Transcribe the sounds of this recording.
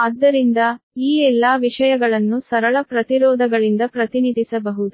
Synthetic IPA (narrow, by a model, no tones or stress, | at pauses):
ɐd̪ːɐɾind̪ɐiːɛlːaːʋiʂɐjɐɡɐɭɐnːusɐɾɐɭɐpɾɐt̪iɾɔːd̪ʱɐɡɐɭind̪ɐpɾɐt̪inid̪ʱisɐbɐɦud̪u